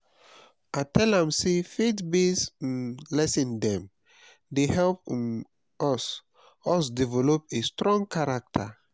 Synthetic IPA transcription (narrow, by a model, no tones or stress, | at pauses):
atʰɛlãmsefetbesnlɛsĩndɛ̃m | dehɛlp | ɔs | ɔsdivɛlopestɹɔ̃ŋɡkʰaɹak̚tʰa